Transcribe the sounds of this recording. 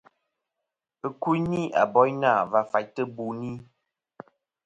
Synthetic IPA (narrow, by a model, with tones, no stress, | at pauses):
ə˦ku˦jni˦a̰˨bɔ˨˦jnaː˦˨va˦˨fa˨jtə˦bu˨ni˦